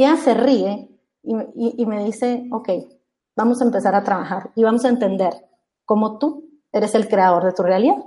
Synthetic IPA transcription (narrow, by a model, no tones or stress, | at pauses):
ease̞rie̞ | iiime̞ðise̞o̞ke̞j | bamo̞saempe̞saɾat̪ɾaβaxaɾiβamo̞saent̪e̞nd̪e̞ɾ | ko̞mo̞t̪u | e̞ɾe̞se̞lkɾe̞að̞o̞ɾðe̞t̪urealiðað